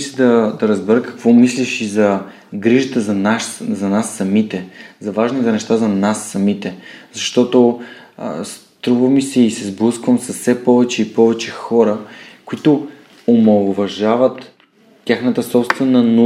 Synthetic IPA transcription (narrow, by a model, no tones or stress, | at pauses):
sɛd̪ɐd̪ɐɾəzbɛɾəkɐ̥kvɔmisliʃizɐ | ɡɾiʒət̪əzɐnaʃzɐnasːɐmit̪ɛzɐvaʒnizɛnɛʃt̪azɐnasːɐmit̪ɛz̥ɐʃt̪ɔt̪o̰ | st̪ɾuvəmisɛisɛzbluskvəmsɐfsɛpɔvɛt͡ʃɛipɔvɛt͡ʃɛxɔɾəkʊit̪o | omɐlˠʊvɐʒavət̪ːʲ | axnət̪əsɔpst̪vɛnəno